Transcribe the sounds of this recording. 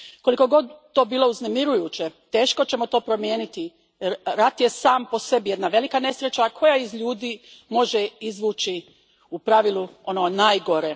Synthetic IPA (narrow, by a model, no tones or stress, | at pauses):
ko̞liko̞ɡo̞d̪t̪ːo̞ːbiːlˠo̞uznemiɾujuːt͡ɕe̞t̪e̞ːʃko̞t͡ɕe̞mo̞t̪o̞ːpɾo̞mje̞ːnit̪i | jeɾːat̪je̞saːmpo̞se̞bije̞d̪naʋe̞likane̞sɾet͡ɕakʰo̞jaizʎuːd̪iːmo̞ʒeizʋuːt͡ʃi | upɾaʋilˠuo̞nonajɡo̞ɾe